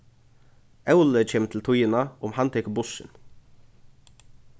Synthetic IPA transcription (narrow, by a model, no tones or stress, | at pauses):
ʔɑʉləc͡çʰɛːmt̪ʰl̩t̪ʰʊjənɑʊmhɑnt̪ʰɛkbʊʃə̰n